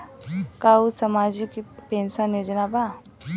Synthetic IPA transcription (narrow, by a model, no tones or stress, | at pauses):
kausɐmaːd͡ʒikpẽːnsənjod͡ʒnaba